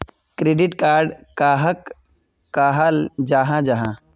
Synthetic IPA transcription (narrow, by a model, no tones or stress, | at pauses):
kɾeːɖɪʈkaːɾɖkaːɦək | kːaːɦald͡ʒaːɦãd͡ʒaːɦã